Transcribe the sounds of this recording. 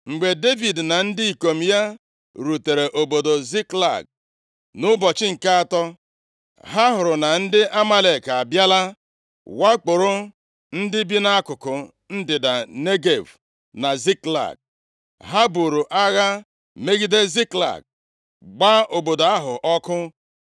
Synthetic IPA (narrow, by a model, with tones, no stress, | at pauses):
ŋ͡m̩˨ɡ͡be˨de˦vi˨dna˨n̩˦dɪ˦i˨ko˨m̩˨ja˦ | ɾu˨te˨ɾe˨ʔo˨bo˨do˨zi˦kla̰˦˨ɡ̚ | nʊ˦bɔ˨t͡ʃɪ˦ŋ̩˨ka˦a˦˨tɔ˦ | ɦa˦ɦʊ˨ɾʊ˨na˨n̩˦dɪ˦ʔa˦ma˦le˨ka˨bja˦la˦ | wa˦k͡pʊ˨ɾʊ˦ | n̩˦dɪ˦bi˦na˦kʊ˨kʊ˨ | n̩˦dɪ˨da˨ne˦ɡe˨v | na˨zi˦kla̰˨ɡ̚ | ɦa˦bu˨ɾu˨ʔa˦ɣa˦ | me˦ɡi˦de˦zi˦kla̰˨ɡ̚ | ɡ͡ba˦o˨bo˨do˨a˦ɦʊ˨ʔɔ˦kʊ˦